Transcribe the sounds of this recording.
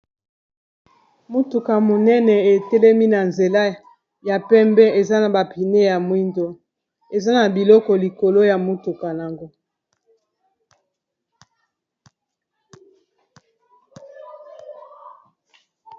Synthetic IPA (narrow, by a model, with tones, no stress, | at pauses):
mu˦tu˨ka˨mo˨nɛ˦nɛ˨e˨tɛ˦lɛ˦mi˦na˨nze˨la˦ | ja˨pɛ˦mbɛ˦e˨za˦na˨ba˨pi˨ne˦ja˨mwi˦ndo˦ | e˨za˦na˨bi˨lɔ˦kɔ˨li˨ko˨lo˦ja˨mu˦tu˨ka˨na˨ŋɡo˦